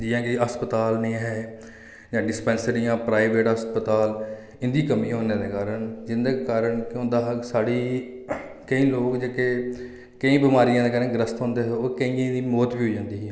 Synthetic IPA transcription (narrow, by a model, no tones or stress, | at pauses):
d͡ʒijãːkiəspət̪aːlnĩːɦɛː | d͡ʒãːɖɪspɛ̃ːnsəɾɪjãːpɾaːɪʋeːʈɦəspət̪aːl | ɪnd̪iːkəmiːɦoːnẽːd̪eːkaːɾəɳd͡ʒɪnd̪eːkaːɾəɳkɦʊ̃nd̪aːɦsaːɽiː | kəĩːloːkd͡ʒeːkeː | kəĩːbɪmaːɾijãːd̪eːkaːɾənɡɾəst̪ɦõːnd̪eːɦɛoːkəĩːãd̪iːmoːt̪biːɦoːd͡ʒãːnd̪iːɦɛː